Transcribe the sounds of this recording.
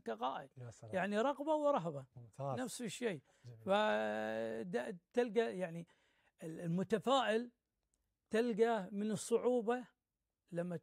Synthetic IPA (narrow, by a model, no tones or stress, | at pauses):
kaqɑːʔɪd̪jaʕniɾˤɑɣbawɾˤɑɦbanafsɪʃːeː | fa | d̪at̪ɪlɡajaʕni | ɪlmʊt̪afaːʔɪl | t̪alɡamɪnɨsˤːʊʕuːba | lamːa